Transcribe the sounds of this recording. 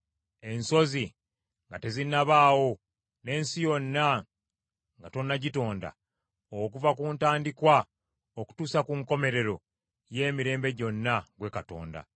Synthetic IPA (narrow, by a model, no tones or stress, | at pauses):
e̞nso̞zi | ŋɡate̞zinaβaːwo̞ | ne̞ːnsijo̞nːa | ŋɡato̞nːaɟito̞ːnda̰ | ok̬uvakuːntaːndikwa | oku̥tuːsakuŋko̞me̞ɾe̞ɾo̞ | je̞ːmiɾe̞ːmbe̞ɟo̞nːaɡwe̞kato̞̰ːnda̰